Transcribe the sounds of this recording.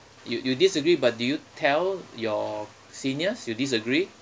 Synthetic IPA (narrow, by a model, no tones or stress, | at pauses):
jujudisəɡɹibat̚dujutʰɛljɔ | sĩniəsjudis̬əɡɹi